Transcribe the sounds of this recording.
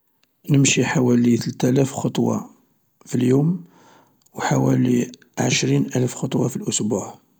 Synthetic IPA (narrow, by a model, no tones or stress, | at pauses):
nəmʃiħawælit̪əlt̪ælæfxot̪ˤwɑ̰ | filjum | wħawæli | ʕəʃɾinʔælfxot̪ˤwɑfilʔʊsbuʕ